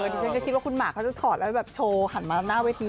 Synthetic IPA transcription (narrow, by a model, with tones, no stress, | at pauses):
ɤː˧di˧sʰa˧˥˩ka˧˩i˦˥waː˥˩kʰu˧nmaː˨˩kʰːt͡ɕa˨˩t̪ʰɔː˨˩lɛ˦˥˩bɛː˨˩p̚t͡ɕʰoː˧ha˨˩˦nmaː˧naː˥˩weː˧t̪ʰiː˧